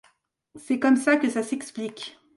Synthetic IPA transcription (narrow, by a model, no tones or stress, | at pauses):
sɛkɔmsakəsasɛksplikʲ